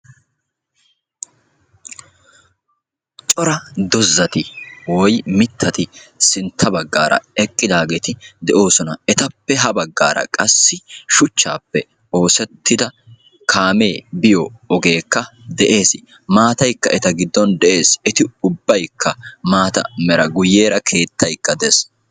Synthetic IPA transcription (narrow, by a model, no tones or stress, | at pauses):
t͡ʃʼɔɾɐd̪ɔzːɐt̪ɪwɔjmɪt̪ʰːɐt̪ɪsɪnt̪ʰːɐbɐɡːa̰ːɾɐ̰ɛkʼːɪd̪aːɡeːt̪ɪd̪ɛʔo̞ːsɔnɐɛt̪ɐpːɛɦɐbɐɡːa̰ːɾɐ̰kʼɐsːɪʃʊt͡ʃːa̰ːpːɛ | o̞ːsɛt̪ʰːɪd̪ɐ | kʰaːme̞ːbɪjɔːɡe̞ːkːɐd̪ɛʔe̞ːs | maːt̪ɐjkːɐʔɛt̪ɐɡɪd̪ːɔnd̪ɛʔe̞ːsɛt̪ɪʊbːɐjkʰːɐmaːt̪ɐ̰mɛɾɐɡʊjːe̞ːɾɐkʰe̞ːt̪ːɐjkːɐd̪ɛs